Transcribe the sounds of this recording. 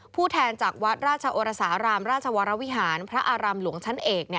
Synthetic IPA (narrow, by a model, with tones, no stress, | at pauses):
pʰuː˥˩t̪ʰɛː˧nt͡ɕaː˨˩k̚wa˦˥t̪̚ɾaː˥˩t̪̚t͡ɕʰa˧ʔoː˧ɾa˧saː˩˦ɾaː˧mɾaː˥˩t̪̚t͡ɕʰa˧wa˨˧˦ɾa˦wi˦˥ɦaː˩˦npʰɾa˦˥ʔaː˧ɾaː˧mlu˨˩˦əŋt͡ɕʰa˦˥nʔeː˨˩k̚ni˥˩ə